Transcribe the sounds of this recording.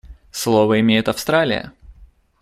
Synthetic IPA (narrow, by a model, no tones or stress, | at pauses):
slˠovəɪmʲejɪt̪ɐfst̪ɾalʲɪ̰jə̰